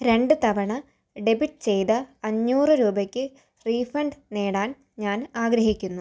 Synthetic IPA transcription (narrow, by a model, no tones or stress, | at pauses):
ɾe̞ɳɖɨt̪ɐʋɐɳɐ | ɖe̞biʈːɨ̥t͡ɕe̞jt̪ɐːɲːuːrɨɾuːbɐkʲːɨ | riːfɐɳɖne̞ːɽaːn | ɲaːnaːɡɾɐɦikʲːunːu